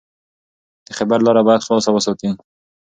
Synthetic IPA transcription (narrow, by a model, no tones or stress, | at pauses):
d̪̥əxabaɾlɑɾabɑjad̪xlɑsawəsɑt̪i